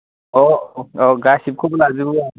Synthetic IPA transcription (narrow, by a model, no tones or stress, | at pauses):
ooɡaʃib̚kʰublaːzibɦuwa